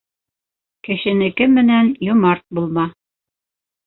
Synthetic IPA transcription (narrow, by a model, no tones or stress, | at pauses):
kɘ̆ʃɘ̆nɘ̆kɘmːɘ̆nænjŏmɑɾt̪̚bulˠmɑ